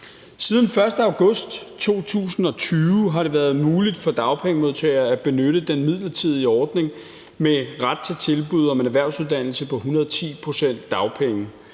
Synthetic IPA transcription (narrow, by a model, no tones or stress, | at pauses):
siːð̞ˠn̩fɶɐsd̥əɑ̈ʊɡ̥ɔ̽sd̥t͡sʰo̝̰ːt͡sʰṵːsn̩ɒ̽t͡sʰyːʊɦɑ̈ɾe̝ʋæːɐð̞̩ˠmuːlid̥fɒ̽d̥ɑ̈ʊpʰeŋəmo̝ð̰ˠt͡sʰɛɪɐæb̥e̝nøɾəd̥enmið̰ˠlɐt͡sʰið̰ˠiɒːd̥ne̝ŋ | meʁad̥̚t͡sʰe̝lt͡sʰe̝lb̥uð̞̰ˠɒ̽menæʋæɐ̰ʊsuð̞ˠd̥æn̰l̩səpʰɒ̽ɦunɐðˠɒt͡sʰḭːpʰʁo̝sen̰d̥ːɑ̈ʊpʰeŋə